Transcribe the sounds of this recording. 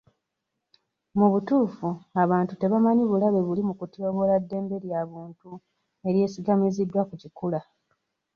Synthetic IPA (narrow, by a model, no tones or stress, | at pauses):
muβutuːfuaβaːntute̞βamaɲiβulaβe̞βulimukutjo̞ːβo̞ladːe̞ːmbe̞ɾjaβuːntu | e̞ɾje̞ːsiɡamizidːwakucikula